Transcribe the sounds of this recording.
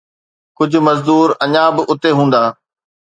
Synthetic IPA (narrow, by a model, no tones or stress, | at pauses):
kʊd͡ʑʱʊ̆mɐzd̪uːɾɐɲãbɪʔʊt̪eɦũːn̆d̪aː